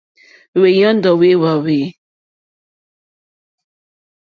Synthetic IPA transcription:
we˨jɔ̃˦n̩˦dɔ˨we˦wa˨we˨˦

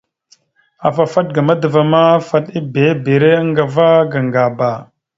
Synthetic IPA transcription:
a˨fa˨fa˦t̚ɡa˨ma˦də˨va˨ma˦fa˦ɗi˦be˨˦be˨ɾe˦ə˦ŋɡa˨va˦ɡa˨ŋɡa˨ba˨

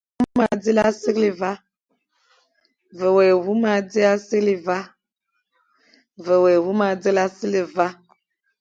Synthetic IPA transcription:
u˦ma˨d͡zi˦la˦si˦kli˨va˦ | və˨we˨wu˦ma˦d͡zi˦a˦si˦kli˨va˦ | və˨we˨wu˦ma˨d͡zi˦la˦si˦li˨va˦

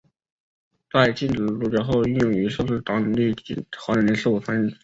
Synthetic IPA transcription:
t̪a˥˩ɪt͡ɕi˥˩nʈ͡ʂɻ̩˨˩lu˧˥˩ʈ͡ʂɑ˧˥xo˥˧ʊy˥˧njʊ˥˩ŋy˧˥ʂo˥˧ʂ̩˥˩t̪ɑ˥ŋ˧li˥˩˥xwa˧˥nə˧˥nɛ˧˥nʂɤ˥˩u˨˩t͡sʰwa˧˥ɻə˥˩n

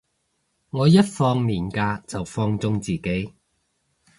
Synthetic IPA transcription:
ŋɔː˨˧jɐ˥t̚fɔː˧ŋmiː˨˩nkaː˧t͡sɐ˨wfɔː˧ŋt͡sʊ˧ŋt͡siː˨ke˨˥j

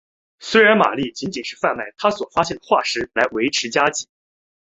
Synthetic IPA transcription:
swe˥ɪɻa˧˥nma̰˨˩li˥˩t͡ɕi˧˥nt͡ɕi˨˩nʂɻ̩˥˧fa˥˧nma˥˩ɪt̪ʰa˥swɔ˨˩fa˥ɕjɛ˥˩nd̪ə˩xwa̰˥˩ʂɻ̩˥la˧˥ɪwe˧˥ɪʈ͡ʂʰɻ̩˧˥t͡ɕja˥t͡ɕi˨˩˦

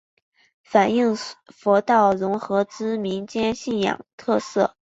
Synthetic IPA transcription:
fa˨˩ni˥˩ŋfɔ˧˥t̪ɑ˥˩ʊɻʊ˧˥ŋxɤ˧˥t͡sɹ̩˥mi˧˥ŋt͡ɕjɛ˥nɕi˥˩njɑ̰˨˩ŋt̪ʰɤ˥˧sɤ˥˩

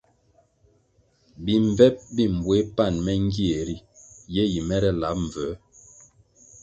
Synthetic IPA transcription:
bi˨ɱ˨vɛ˦p̚bi˦m˨bwe˨˦pa˦˨nmɛ˦ŋ˦ɡi˦e˨ɾi˦jɛ˦ji˨mɛ˦ɾɛ˦la˨˦p̚ɱ̩˨və˨˦

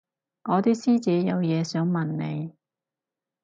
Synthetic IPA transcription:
ŋɔː˨˧t̪iː˥siː˥t͡sɛː˨˥jɐ˨˧wjɛː˨˧sœː˨˥ŋmɐ˨nːe˨˧j

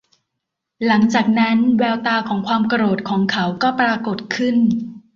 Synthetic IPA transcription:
la˩˦ŋt͡ɕaː˨˩k̚na˦˥nwɛː˧wt̪aː˧kʰɔː˩˦ŋkʰwaː˧mka˧ɾoː˨˩t̪̚kʰɔː˩˦ŋkʰa˦˥wkɔː˥˩pɾaː˧ko˨˩t̪̚kʰɯ˥˩n

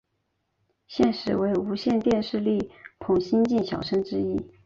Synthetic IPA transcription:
ɕjɛ˥˩nʂɻ̩˨˩we˧˥ɪu˧˥ɕjɛ˥˧nt̪jɛ˥˧nʂɻ̩˥˧li˥˩pʰʊ˨˩ŋɕi˥nt͡ɕi˥˩nɕjɑ̰˨˩ʊʂɤ˥ŋʈ͡ʂɻ̩˥i˥

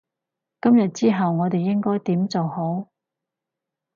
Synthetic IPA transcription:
kɐ˥mjɐ˨t̚t͡siː˥ɦɐ˨wŋɔː˨˧t̪e˨jːɪ˥ŋkɔː˥jt̪iː˨˥mt͡so˨who˨˥w

